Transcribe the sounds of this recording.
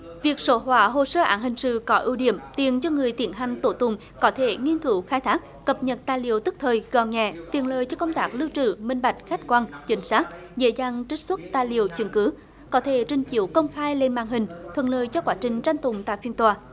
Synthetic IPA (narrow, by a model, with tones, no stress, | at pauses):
vi˨˩ək̚so˧˦ɦwaː˧˩ɦo˨˩səː˧ʔa̰ː˨˦nhï˨˩ŋ̟sɨ̰˧˨kɔ˨˦ʔḭ˧wɗḭ˧˩əmt̪i˨˩ənt͡ɕɔ˧ŋɨ˨˩əjt̪i˨˧˩ənɦa˨˩jŋ̟t̪o˧˩t̪ʊ˨˧˩ŋ͡m | kɔ˨˦t̪ʰe˧˦ŋi˧ənkɨ˨˦wxaː˧jt̪ʰaː˦˥k̚kə˨˩p̚ɲə˨˩t̚t̪aː˨˩jlḭ˨˧˨əwt̪ɨ˦˥k̚t̪ʰəː˨˩jɣɔ̰˧˨˩nɲɛ̰˧˨t̪ḭ˨˩ənləː˨˩jt͡ɕɔ˧kə˧wŋ͡mt̪aː˦˥k̚lɨ˧wt͡ɕɨ̰˧˨mï˧ŋ̟ɓa˨˩jk̟̚xa˦˥k̟̚kwaː˧nt͡ɕï˨˦ŋ̟saː˦˥k̚ | zḛ˧˥zaː˨˩ŋt͡ɕï˦˥ŋ̟swə˦˥t̚t̪aː˨˩jlḭ˨əwt͡ɕɨ˨˧˩nkɨ˨˦ | kɔ˨˦t̪ʰe˧˦t͡ɕï˨˩ŋt͡ɕi˧˩əwkə˧wŋ͡mxaː˧jle˧nma̰ː˧˨nɦï˨˩ŋ̟t̪ʰwə̰˧˨˩nləː˧˨jt͡ɕɔ˧kwaː˨˦t͡ɕï˨˩ŋ̟t͡ɕa˧ŋt̪ʊ˨˩ŋ͡mt̪a̰ː˧˨jfi˧ənt̪waː˨˩